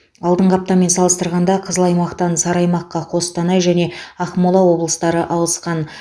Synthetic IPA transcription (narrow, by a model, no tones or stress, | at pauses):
ɑlˠd̪əɴʁɑp̚t̪ɑme̞nsɑlˠəst̪əɾʁɑnd̪ɑqʰəzəlˠɑjmɑqt̪ɑnsɑɾɑjmɑqːɑqʰo̞st̪ɑnɑjʒæne̞ɑχmolˠɑwo̞blˠəst̪ɑɾəʔɑlˠəsqɑn